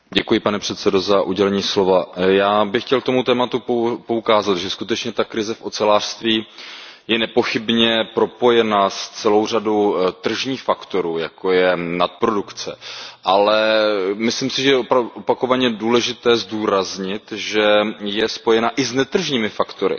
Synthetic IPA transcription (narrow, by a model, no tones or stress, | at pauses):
ɟɛkujɪpanɛpr̥ɛt̪sɛdo̞zaʔuɟɛlɛɲiːslo̞vajaːbɪxcɛlk̚t̪omut̪ɛːmat̪upo̞ukaːzat̪ʒɛskut̪ɛt͡ʃɲɛt̪akɾɪzɛfʔo̞t͡sɛlaːr̥st̪viːjɛnɛpo̞xɪbɲɛpɾo̞po̞jɛnast͡sɛlo̞wr̝adowt̪r̩ʒɲiːxfakt̪o̞ɾuːjako̞jɛnat̪̚pɾo̞dukt͡sɛ̰ʔalɛmɪsliːmsɪʒɛjɛʔopako̞vaɲɛduːlɛʒɪt̪ɛːzduːɾazɲɪt̪ʒɛjɛspo̞jɛnaʔɪznɛt̪r̩ʒɲiːmɪfakt̪o̞ɾɪ̰